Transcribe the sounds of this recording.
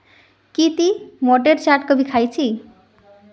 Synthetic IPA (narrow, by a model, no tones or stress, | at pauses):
kit̪imɔʈeɾt͡ʃaʈkʌbikʰajt͡sʰi